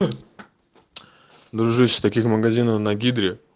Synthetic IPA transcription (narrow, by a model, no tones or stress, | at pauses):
d̪ɾuʐɨsʲɪ̥t̪ɐkʲixmɐɡɐzʲinəfnɐɡʲid̪ɾʲɪ